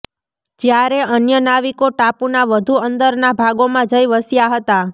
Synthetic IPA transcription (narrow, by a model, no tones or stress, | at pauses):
d͡ʒjaɾeənjənaʋikoʈapunaʋəd̪ʱuənd̪əɾnabʱaɡomãd͡ʒəjʋəsijaɦət̪a